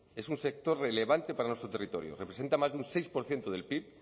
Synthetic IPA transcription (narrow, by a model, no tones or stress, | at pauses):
e̞sunse̞k̚t̪o̞ɾrele̞β̞ant̪epaɾanwet̪ɾot̪e̞rit̪o̞̰ɾjo̰repɾese̞nt̪amazeunsejspo̞ɾθjent̪oðe̞lpip̚